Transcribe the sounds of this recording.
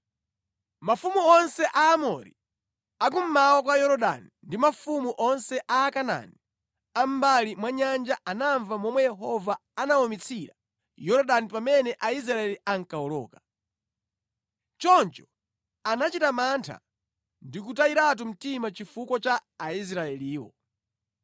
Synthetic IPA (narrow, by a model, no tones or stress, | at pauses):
mafumuɔnsɛʔaːmɔ̰ɾḭ | ak̬um̩mawakwajɔɾɔɗa̰nindimafumuʔɔnsɛʔaːkana̰ni | am̩balimwaɲand͡ʒaʔanaɱvamɔmwɛjɛɦɔvaanawɔmit͡sʰiɾa | jɔɾɔɗanipamɛnɛʔais̬ɾaɛliaŋkaɔlɔ̰ːkḁ | t͡ʃɔnt͡ʃɔ̥ | anat͡ʃitamantʰa̰ | ndik̬utaiɾat̬um̩timat͡ʃifukwɔt͡ʃaːis̬ɾaɛliːwɔ̰